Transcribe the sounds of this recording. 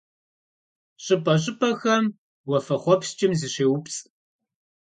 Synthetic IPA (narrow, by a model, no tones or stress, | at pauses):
ɕʼɨpʰʼɐɕʼɪpʰʼɐxɐm | wɐfɐχʷɔpst͡ʃʼɪmziɕeːwʊpt͡sʼ